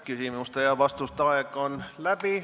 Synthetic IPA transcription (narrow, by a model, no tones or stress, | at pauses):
kysimust̪ejɑʋɑst̪ust̪ɑeɡ̥onlæb̥i